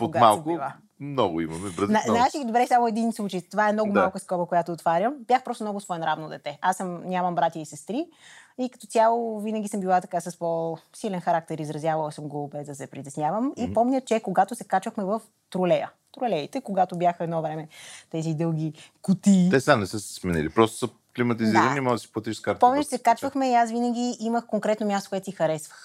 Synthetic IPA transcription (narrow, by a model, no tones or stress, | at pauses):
pooɡ̪amalˠkʊilˠa | mnɔɡʊḭmɐ̰mɛbɾəznanat͡ʃid̪obɾɛsamoɛd̪inslˠut͡ʃəjt̪ovaɛmnɔɡʊmalˠkəskɔbəkojat̪oːt̪vaɾjəmbʲjaxpɾɔst̪omnɔɡʊsvɔɛnɾavnod̪ɛt̪ɛʔasəmɲʲamɐmbɾat̪ʲjəisɛst̪ɾiikɐ̥t̪ot̪ʲalˠovinəɡʲisəmbilˠat̪ɐkasɐsposilɛnxɐɾak̚t̪ɛɾizɾɐzʲjavɐlˠsəmɡobɛzd̪ɐsɛpɾit̪ɛsnʲjavəmipɔmɲʲət͡ʃɛkoɡat̪osɛkat͡ʃvəxmɛvəf | t̪ɾolɛjə̰ | t̪ɾʊlɛit̪ɛkoɡat̪obʲjaxəɛd̪nɔvɾɛmɛt̪ɛzid̪ɤlˠɡʲikut̪it̪ɛsanɛsəsɛ̥smɛnḭlipɾɔst̪o̥sə | klimɐt̪iziɾənimɔɡd̪si̥plˠət̪iʃskaɾt̪pɔmnʲət͡ʃsɛkat͡ʃvəxmɛiasvinəɡ̟ʲiiməxkoŋkɾɛt̪nomʲjast̪o̥kʊɛt̪ixɐɾɛsvə̥x